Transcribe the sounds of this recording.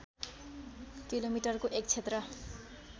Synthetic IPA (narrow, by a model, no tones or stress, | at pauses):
kilomiʈʌrkoʔekt͡sʰet̪rʌ